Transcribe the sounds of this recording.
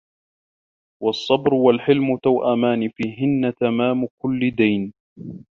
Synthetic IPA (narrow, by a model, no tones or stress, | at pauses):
wɑsˤːɑbɾʊwalħɪlmʊt̪awʔamaːnɪfiːɦɪnːat̪amaːmʊkʊlːɪd̪ajn